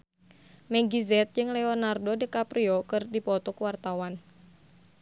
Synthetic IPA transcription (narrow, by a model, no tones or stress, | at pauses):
mɛɡizɛt̪̚d͡ʒɨŋlɛonardodikapɾiɔkɨrdipɔt̪ɔkwart̪awan